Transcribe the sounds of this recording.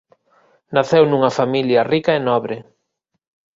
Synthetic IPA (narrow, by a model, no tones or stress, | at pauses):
naθewnuŋɐfamiljɐrikɐenɔβɾɪ